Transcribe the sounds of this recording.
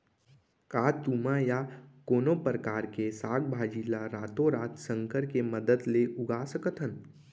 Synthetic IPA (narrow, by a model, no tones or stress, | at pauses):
kaːt̪uːmajakoːnopɾəkaːɾkesaːɡ̚bʱaːd͡ʒiːlaɾaːt̪õɾaːt̪sə̃ŋkəɾkeməd̪əd̪leʔʊɡaːsəkət̪ɦən